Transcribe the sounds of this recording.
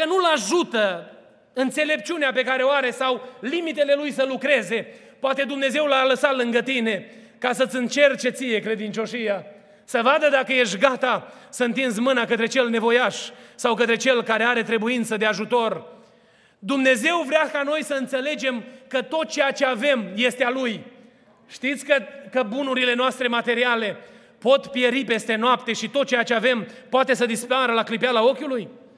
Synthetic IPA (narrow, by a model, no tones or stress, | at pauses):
kənulaʒut̪ə | ɨnt̪se̞le̞p̚t͡ʃuneape̞kaɾe̞oaɾe̞sawlimit̪e̞le̞lujsəlukɾe̞ze̞ | poat̪e̞d̪umne̞ze̞wlaləsat̪lɨŋɡət̪ine̞ | kasət̪sʲɨnt͡ʃe̞rt͡ʃe̞t̪sije̞kɾe̞d̪int͡ʃo̞ʃija | səvad̪əd̪akəje̞ʃɡat̪a | səɨnt̪insmɨnakət̪ɾe̞t͡ʃe̞lne̞vo̞jaʃsawkət̪ɾe̞t͡ʃe̞lkaɾe̞aɾe̞t̪ɾe̞buint̪səd̪eaʒut̪o̞r | d̪umne̞ze̞wvɾeakano̞jsəɨnt̪se̞le̞d͡ʒe̞mkət̪o̞t̪̚t͡ʃejat͡ʃe̞ave̞mje̞st̪ealuj | ʃt̪it̪sʲkəkəbunuɾile̞noast̪ɾe̞mat̪e̞ɾiale̞ | po̞t̪pje̞ɾipe̞st̪e̞noapt̪e̞ʃit̪ot̪̚t͡ʃejat͡ʃe̞avempoat̪e̞səd̪ispaɾəlaklipalao̞kʲuluj